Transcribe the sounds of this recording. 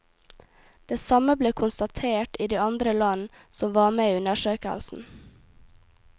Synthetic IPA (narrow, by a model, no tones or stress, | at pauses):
d̪̥eːsɑməbleːkʰʊnst̪ɑt̪ʰeːʈiːd̪iːɑnd̪ɾəlɑn | sɔmʋɑːmeːʉnəʃøːkə̰lsn̩